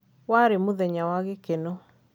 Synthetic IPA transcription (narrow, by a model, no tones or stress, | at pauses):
waɾemoðɛɲawaɣekeno